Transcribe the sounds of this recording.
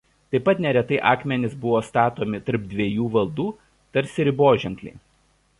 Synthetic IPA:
t̪ɐɪpːɐt̪nʲɛɾʲɛt̪ɐɪʔɑːkmʲɛnʲɪsbʊʋoːst̪ɑːt̪oːmʲɪt̪ɐɾp̚d̪ʲʋʲejuːʋɐlˠd̪uː | t̪ɐɾʲsʲɪɾʲɪboːʒʲɛŋklʲɛ̰ɪ

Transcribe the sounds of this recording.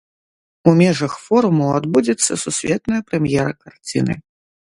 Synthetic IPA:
umʲɛʐɐxfɔɾumuad̪bud͡zʲɛt̪sːɐsusʲvʲɛt̪nɐjɐpɾɛmjɛɾɐkart͡sʲinɨ̰

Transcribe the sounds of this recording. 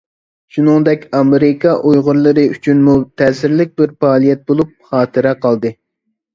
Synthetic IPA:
ʃunɨŋd̪ɛkʲɑmeɾɪkʰɑʔujʁʊɾlˠɨɾɨyt͡ʃʰynmut̪ʰɛsɪɾlɪk̚ʲbɪɾfɑːlˠijɛt̪̚bolˠup̚χɑːt̪ʰɨɾɛqɑlˠd̪ɨ

